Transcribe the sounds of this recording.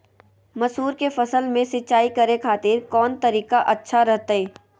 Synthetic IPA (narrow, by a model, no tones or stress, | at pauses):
mɐsuːɾkefɐsəlmẽsɪtːt͡ʃaːikɐɾekʰaːt̪ɪɾkɔːnt̪ɐɾiːkaʔɐtːʃʰaɾɛɦt̪aeː